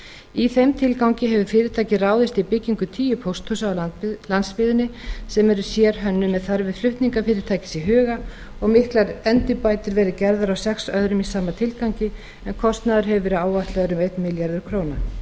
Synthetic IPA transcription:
iθejmt̪ʰɪlkawŋcɪɦɛvʏ̥fɪːɾɪɾt̪ʰaːjcɪraːwðɪst̪ipɪcːiŋkʏt̪ʰiːjʏpʰowst̪husalant̪spɪðʏnːɪsɛmɛɾʏ̥sjɛɾɦœnːʏmːɛðθaɾvɪðflʏht̪niŋkafɪːɾɪɾt̪ʰaːjcɪ̥siɦœːɣa | ɔɣmɪhklaɾɛnt̪ɪpaːjt̪ɪɾvɛːɾɪðcɛɾðaɾawsɛksœðɾʏmisaːmat̪ʰɪlkawɲcɪ | ɛnkʰɔst̪naːðʏɾ̥ɦɛvʏvɛːɾɪaːwvaht̪lɛːðʏɾʏmejt̪mɪljaɾðʏɾ̥kʰɾoːwna

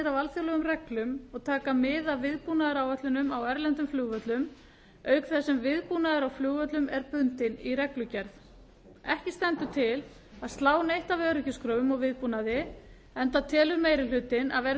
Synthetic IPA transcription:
ðavalθjɔlɛɣʏmrɛklʏmɔɣt̪ʰaːkamɪðavvɪðpuːnaðaɾawɛt̪lʏnʏmawɛɾlɛnt̪ʏmflʏːɣvœt̪lʏm | œːɥkθɛsːɛmvɪðpuːnaðaɾawflʏːɣvœt̪lʏmɛɾpʏnt̪ɪnirɛklʏcɛɾθ | ɛhcɪst̪ɛnt̪ʏt̪ʰɪl | aðst̪laːwnejht̪avœːɾʏcʏskɾœːvʏmɔɣvɪðpuːnaðɪ | ɛnt̪at̪ʰɛːlʏɾmeːjɾɪl̥ʏːt̪ɪna̰ðvɛːɾ

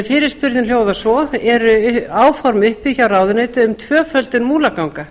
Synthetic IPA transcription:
fɪːɾɪɾ̥spʏɾðɪnljoːwðasɔðɛɾʏaːwfɔɾmʏhpiçarawðʏnejt̪ɪʏmt̪ʰvœːfœlt̪ɪnmuːlakawŋka

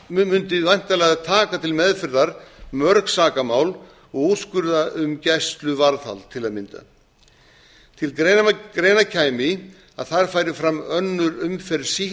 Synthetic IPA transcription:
mʏnt̪ɪvajn̥t̪alɛɣat̪ʰaːkat̪ʰɪlmɛðfɪɾðaɾmœɾksaːkamaːwl | ɔɣuskʏɾðaʔʏmcɛst̪lʏvaɾθa̰lt̪ʰɪlaðmɪnt̪a̰ | t̪ʰɪlkɾeɾeːjnacʰaːjmɪ | a̰ðθaɾ̥faːjɾɪfɾamœnːʏɾʏmfɛɾsi

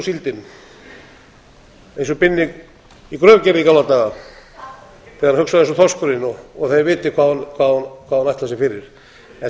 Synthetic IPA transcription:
silt̪ɪn | ejnsɔpɪnːɪɣ | ikɾœːvcɛvɪikawlat̪aɣa | θɛɣaɾhʏksaðejnsɔθʰɔskʏɾɪnɔɔɣθaðvɪːt̪ɪkʰvaːðakʰvaːðkʰvaːðanajht̪lasɪfɪɾɪɾ̥ | ɛ

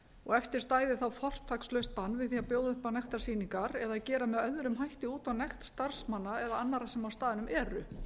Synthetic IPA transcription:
ɔɣɛft̪ɪɾ̥st̪aːjðɪθawfɔr̥t̪ʰːakslœɥst̪panːvɪðθiːapjoːwðʏhpanɛxt̪aɾ̥siːniŋkaɾɛðacɛːɾamɛðœðɾʏmɦajht̪ɪuːt̪awnɛxt̪st̪aɾ̥smanːaɛðaanːaɾasɛmawst̪aːðɪnʏmʔɛːɾʏ

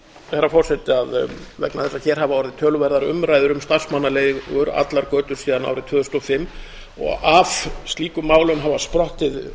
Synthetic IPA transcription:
θɛɾːafɔ̥sɛt̪ɪaðvɛknaθɛsːaçɛːɾ̥ɦavaɔɾðɪt̪ʰœːlʏvɛɾðaɾʏ̰mɾaːjðʏɾʏmst̪ar̥smanːaleːɣʏɾa̰t̪laɾkœːt̪ʏɾsiːðana̰ːwɾɪt̪ʰʏːðʏst̪ɔfɪmː | ɔ̰ɣafst̪liːkʏmːaːwlʏmɦavaspɾɔht̪ɪð

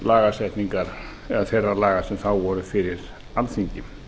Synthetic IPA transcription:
laːɣasɛht̪niŋkaɾ | ɛðaθɛrːalaːɣasɛmθawvɔːɾʏfɪɾɪɾ̥ | alθiɲcɪ

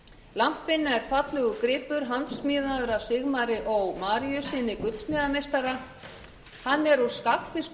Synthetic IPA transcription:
lam̥pɪnːɛɾ̥fat̪lɛɣʏkɾɪːpʏɾ̥ɦant̪smɪːðaðɾasɪɣmaɾɪʔɔɣmaːɾijʏsɪnɪkʏt̪smɪːðamejst̪aɾa | hanːɛɾuskakfɪsk

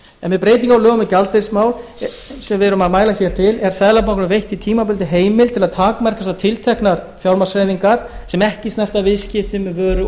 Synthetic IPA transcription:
ɛnvɪðpɾejt̪̬iŋkawlœːɣʏmɪcalt̪eɾsmaːwl | sɛmvɛɾʏmaðmaːjlaçɛːɾ̥t̪ʰɪlɛɾ̥sajðlapawknʏvejht̪it̪ʰiːmapʏlt̪ɪɦeːjmɪlt̪ʰɪlaðt̪ʰaːkamɛr̥kasat̪ʰɪlt̪ʰɛhknaɾ̥fjawɾmasɾajviŋkaɾ̥sɛmɛhcɪsnɛft̪avɪðscɪft̪ʏmvœːɾʏ

